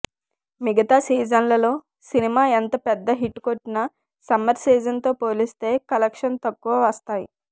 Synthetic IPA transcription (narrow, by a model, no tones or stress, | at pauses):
miɡɐt̪aːsiːd͡ʒɐnlɐlo̞ː | sinimaːent̪ɐpɛd̪ːɐɦiʈːkoʈnɐ | sɐmːɐɾsiːd͡ʒɐnt̪o̞ːpoːlist̪e̞ːkɐlekʂɐnt̪ɐkːuʋɐʋɐst̪aːjḭ